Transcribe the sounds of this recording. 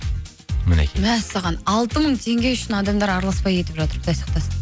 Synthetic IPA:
mɪnḛmæsɑʁɑnɑlˠt̪əməɴt̪ʰe̞ŋɡʲe̞jʏʃɪnɑd̪ɑmd̪ɑɾɑɾlˠɑspɑje̞t̪ɪpʒɑt̪əɾəpd̪ɑjsɑ̥q̚t̪ɑs

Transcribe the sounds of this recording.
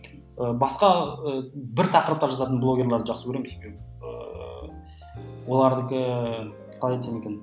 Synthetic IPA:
əbɑsqɑəbɪɾt̪ʰɑqəɾəp̚t̪ɑɾʒɑt̪ɑt̪ənblˠo̞ɡʲe̞ɾlˠɑɾd̪əʒɑqsəkʲʰɵɾemɪsekʲe | ə̰ | wo̞lˠɑɾd̪ɪkʲɪ | qʰɑlˠɑjeenekʲen

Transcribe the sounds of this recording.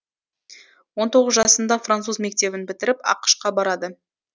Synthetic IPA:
wo̞nt̪ʰo̞ʁəzʒɑsənd̪ɑfrant̪suzme̞k̚t̪e̞bɪnbɪt̪ɪɾɪpɑ̰qə̥ʃqɑbɑɾɑd̪ə

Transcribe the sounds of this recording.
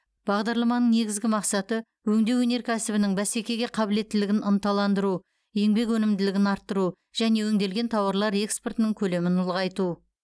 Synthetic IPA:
b̥ɑʁd̪ɑɾlˠɑmɑnəɴne̞ɡʲɪzɡʲɪmɑqsɑt̪ə | wɵŋd̪e̞wɵne̞ɾkʲʰæsɪbɪnɪŋbæse̞kʲe̞ɡʲe̞qʰɑbɪle̞t̪ːɪlɪɡʲɪnənt̪ɑlˠɑnd̪əɾu | e̞ŋbe̞kwɵnɪmd̪ɪlɪɡʲɪnɑɾt̪ːəɾu | ʒ̥æne̞wɵŋd̪e̞lɡʲe̞nt̪ʰɑwɑɾlˠɑɾe̞kspe̞rt̪ənəŋkʲʰɵle̞mɪnʊlˠʁɑjt̪u

